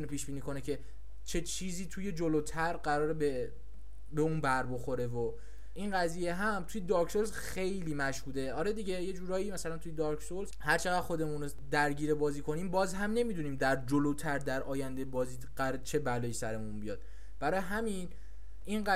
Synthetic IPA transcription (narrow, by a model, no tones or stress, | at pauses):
it̪ʰunepʰiːʃbiːniːkʰo̞necʰe̞ | t͡ʃʰe̞t͡ʃʰiːziːt̪ʰuːje̞d͡ʒolot̪ʰæɾɢæɾɒːɾebe | beuːnbæɾbo̞xo̞ɾe̞vo | inɢæzije̞ɦæmt̪ʰujed̪ɒɾkʰsolsxe̞jliːmæʃhuːd̪e̞ɒːɾed̪iɟe̞je̞d͡ʒuːɾɒːiːmæsælænt̪ʰujed̪ɒɾkʰsolzhæɾt͡ʃʰe̞ɣæd̪xo̞d̪e̞muno | d̪æɾɟiːɾebɒːziːkʰo̞niːmbɒːzɦæmne̞mid̪uniːmd̪æɾd͡ʒolot̪ʰæɾd̪æɾʔɒːjænd̪ebɒːziːɢæɾet͡ʃʰe̞bælɒːjisæɾe̞munbijɒ̰ːd̪̥ | b̥æɾɒːjeɦæmin | inɢæ